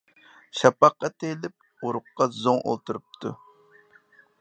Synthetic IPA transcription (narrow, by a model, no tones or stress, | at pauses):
ʃɑpɑqːɑt̪ʰelɪp̚ | uɾʊqːɑzoŋo̰lˠt̪ʰuɾup̚t̪ʰṵ